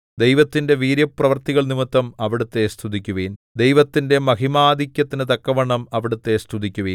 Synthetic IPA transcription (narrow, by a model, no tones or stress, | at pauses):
d̪ejʋɐt̪ːinde̞ʋiːɾjɐprɐʋɐrt̪iɣɐɭnimɐt̪ːɐmɐʋiɽut̪ːe̞st̪ʰud̪ikʲːuʋiːn | d̪ejʋɐt̪ːinde̞mɐɦimaːd̪ʱikʲjɐt̪ːinɨt̪ɐkːɐʋɐɳːɐmɐʋiɽut̪ːe̞st̪ʰud̪ikʲːuʋiː